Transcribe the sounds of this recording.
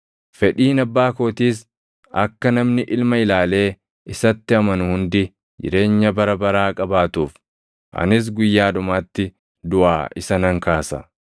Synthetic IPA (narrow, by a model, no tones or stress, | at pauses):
fɛᶑiːnɐbːaːkoːt̪iːs̬ | ɐkːɐnɐmnɪʔɪlmɐɪlaːle̞ː | ɪsɐt̪ːɪɐmɐnʊhʊnd̪ɪ | d͡ʒɪ̰ɾe̞ːɲːɐbɐɾɐbɐɾaːkʼɐbaːt̪uːf | ʔɐ̰nɪs̬ɡʊjːaːd̪ʊmaːt̪ːɪ | d̪ʊʔa̰ːɪsɐnɐŋkaːsɐ̰